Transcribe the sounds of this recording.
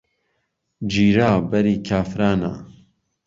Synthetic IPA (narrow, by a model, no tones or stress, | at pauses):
d͡ʒiːɾaːbɛɾiːkʰaːfɾaːna̰ː